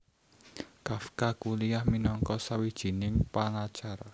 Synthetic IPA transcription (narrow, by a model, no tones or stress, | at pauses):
kafkakuliahminɔŋkɔsawid̥ʒ̥i̤nɪŋpaŋat͡ʃaɾa